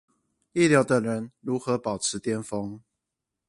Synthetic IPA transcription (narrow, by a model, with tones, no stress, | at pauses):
i˥˨ljɑ˨˧˥ʊt̪ə˨˩ŋɻə˨˦nɻu˨˥xɤ˨˦pɑ˨˩ʊʈ͡ʂ̩ʰ˨˦t̪jɛ˥nfo˦ŋ